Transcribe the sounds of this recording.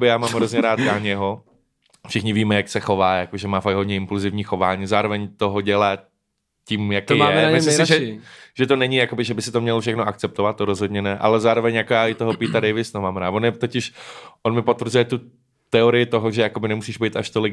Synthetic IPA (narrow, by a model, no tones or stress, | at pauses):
bɪjaːmaːmɦɾozɲɛɾaːt̪ɡaɲɛɦo | fʃɪxɲɪviːmɛjaksɛxo̞vaːjakoʒɛmaːfaɡ̚ɦodɲɛɪmpluzɪvɲiːxo̞vaːɲiːzaːɾovɛɲt̪oɦoɟɛlaː | ciːmjakːjaɛmɪslɪmsɪʒɛiʒ̥ɛt̪onɛɲɪjako̞bɪʒɛbɪsɪt̪omɲɛlfʃ̬ɛxnoʔak̚t͡sɛp̚t̪ovat̪ːoɾozɦo̞d̪ɲɛnɛʔa̰lɛzaːɾovɛɲjakojaːʔɪt̪oɦopiːt̪adɛjvɪsnomaːmɾaːtvonjɛt̪ocɪʃʔonmɪpo̞t̪vr̩zujɛt̪u | t̪ɛoɾɪjɪt̪oɦoʒɛjakobɪnɛmusiːʒbɛjt̪aʃt̪olɪk